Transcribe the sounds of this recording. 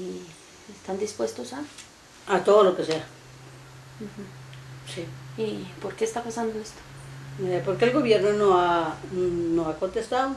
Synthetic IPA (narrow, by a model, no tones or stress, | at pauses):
i | est̪and̪ispwe̞st̪osa | at̪o̞ðolo̞ke̞sea | m̩x̩siipo̞ɾke̞ːst̪apasand̪oest̪o̥epo̞ɾke̞ːlɣo̞βje̞ɾnonoa | noako̞nt̪e̞st̪aðo